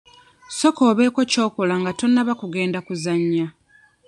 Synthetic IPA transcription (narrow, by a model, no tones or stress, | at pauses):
so̞ko̞ːβe̞ːko̞co̞ːkolaŋɡato̞nːaβakuɡe̞ːndakuzaɲːa